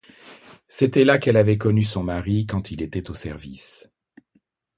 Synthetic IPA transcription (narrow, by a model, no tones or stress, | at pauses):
set̪ɛlakɛlavɛk̬ɔnysɔ̃maʁikɑ̃t̪ʰilet̪ɛt̪osɛʁvis